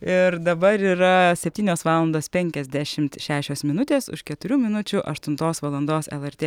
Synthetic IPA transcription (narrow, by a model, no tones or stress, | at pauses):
ɪɾd̪ɐbɐɾiːɾɐsʲɛpʲt̪ʲiːnʲoːsʋɑːlˠɐnd̪oːspʲɛŋʲkʲɛzʲd̪ʲæʃʲɪmt̪ʃʲæːʃʲoːsmʲɪnʊt̪ʲeːsʊ̰ʃkʲɛt̪ʊɾʲuːmʲɪnʊt͡ʃʲʊʔɐ̰ʃt̪ʊnt̪oːsʋɐlˠɐnd̪oːsɛ̰lˠɛɾʲt̪ʲeː